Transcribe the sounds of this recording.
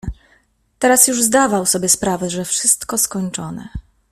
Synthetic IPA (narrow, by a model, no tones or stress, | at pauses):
t̪ɛɾasjuʐzd̪avawsɔbʲjɛspɾavɛʐɛfʂɘst̪kɔskɔɲt͡ʂɔnɛ̰